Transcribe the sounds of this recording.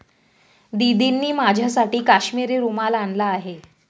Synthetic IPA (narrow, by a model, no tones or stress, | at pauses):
d̪id̪inːiːmad͡ʑʱjasaʈiːkaɕmiːɾiːɾumalanlaːɦe